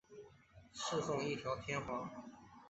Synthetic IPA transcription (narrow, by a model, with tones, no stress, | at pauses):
ʂɻ̩˥˧fʊ˥˧ŋi˥˩t̪ʰjɑ˧˥ʊt̪ʰjɛ˥nxwɑ˧˥ŋ